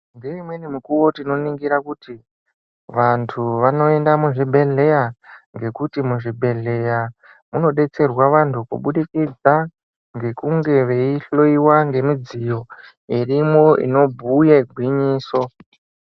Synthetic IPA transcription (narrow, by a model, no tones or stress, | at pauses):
ŋɡeimwe̞nimukuwo̞tino̞niŋɡiɾakuti | ʋantʰuʋano̞e̞ndamuʐibʱe̞ɮe̞jaŋɡe̞kutimuʐibʱe̞ɮe̞ja | muno̞ɗe̞t͡se̞rwaʋantʰukṵɓuɗikid͡za | ŋɡe̞kuŋɡe̞ʋe̞iɬo̞iwaŋɡe̞mud͡zijo̞ | irimoḭno̞bʱujeɡʱwiɲiːso̞